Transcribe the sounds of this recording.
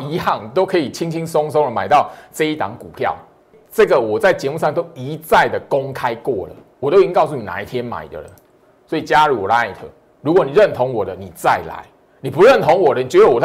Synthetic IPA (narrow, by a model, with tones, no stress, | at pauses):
i˧˥hɑ˥˩ŋt̪o˥ʊkʰɤ˧˦i˨˩t͡ɕʰi˦˥ŋt͡ɕʰi˦ŋsɔ˥ŋsɔ˥ŋlə˨ma˨˩ɪt̪ɑ˥˨ʊt͡sə˥˧˦i˥˧t̪ɑ˨˦ŋku˨˩pʰjɑ̰˥˨˩ʊ | t͡sɤ˥˩ɡə˨wɔ˨˩t͡sa˥˩ɪt͡ɕjɛ˧˦mu˥˧ʂɑ˥˨ŋt̪o˦˥ʊi˨˧˦t͡sa˥˩ɪd̪ə˨ko˦ŋkʰa˦ɪkwɔ̰˥˩lə̰˨˩ | wɔ˨˩t̪o˥ʊi˧˥i˥˦kɑ˥˧ʊs̬u˥˩ni˨˩na̰˨i˥˧t̪ʰjɛ˦nma̰˨˩ɪd̪ə̰˦lə˨˦n | swɔ˧˦˥i˨t͡ɕja˦ɻu˧˦wɔ̰˨˩la˧˦a˥˨˩ɪt̪ʰə̰˧˦ | ɻu˧˥kwɔ˧˦ni˨˩ɻə˥˨nt̪ʰɔ˧˦ŋwɔ˨˩d̪ə˦ni˨˩t͡sa˥˨˩ɪla̰˧˦ɪ | ni˨˩pu˨˦ɻə˥˩nt̪ʰɔ˧˦ŋwɔ˨˩d̪ə˦ni˨t͡ɕɥɛ˧˥d̪ə˧wɔ˨˩t̪ʰ